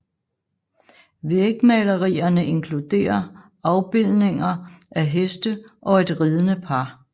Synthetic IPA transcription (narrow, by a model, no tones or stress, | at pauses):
ʋeɡ̥mælɐʁiːɐnəʔe̝ŋkʰlud̥e̝̰ːɐ | ɑ̈ʊb̥e̝l̰ne̝ŋɐʔæɦesd̥əʔɒ̽e̝d̥ʁiːð̞ˠənəpʰɑ̈